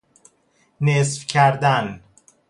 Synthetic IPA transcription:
nesfcʰæɾd̪æn

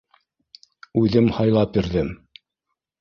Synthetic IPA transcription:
ʉðɘmhɑjlˠɑpjiɾðɘm

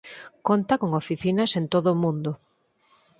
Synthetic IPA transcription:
kont̪ɐkoŋofiθinɐsent̪oðʊmũnd̪ʊ

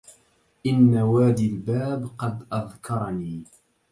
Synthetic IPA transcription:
ʔɪnːawaːd̪ilbaːbqɑd̪ʔaðkʰɑɾˤɑniː

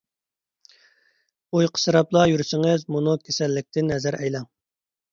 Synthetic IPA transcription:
ujqʰə̥sɨɾɑplˠɑjyɾysɪŋɪzmunukʲʰesɛlːɪk̚ʲt̪ʰɪnɛzæɾʔɛjlɛŋ

